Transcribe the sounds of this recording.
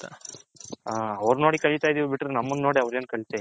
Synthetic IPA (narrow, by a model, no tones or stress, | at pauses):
aːɐʋɐɾnoːɽikɐɭit̪aːjd̪iːʋubiʈːɾenɐmːund̪no̞ːɽiɐʋɾeːnkɐɭit̪a